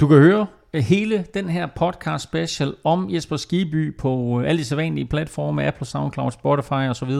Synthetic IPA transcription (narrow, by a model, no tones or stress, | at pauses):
d̥ukæhøːɐ | he̝ːləd̥enɦæɐ̰pʰɒ̽d̥kʰɑ̈ːd̥sb̥eɕelɒ̽mjesb̥ɐsɡ̥iːb̥y̰ːpʰɒ̽æl̰əd̥iselʋænliəpʰlæd̥fɒ̰ːməæpʰl̩sɑ̈ʊnkʰlɑ̈ʊ̰d̥sb̥ɒɾifɑ̈ɪɒ̽sɒʋið̞ˠɐ